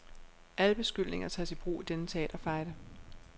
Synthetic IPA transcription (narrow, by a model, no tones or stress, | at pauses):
ʔæləb̥e̝sɡ̥yl̰ne̝ŋɐt͡sʰɛ̰sib̥ʁṵːid̥enət͡sʰeɛ̰ːd̥ɐfɑ̈ɪd̥ə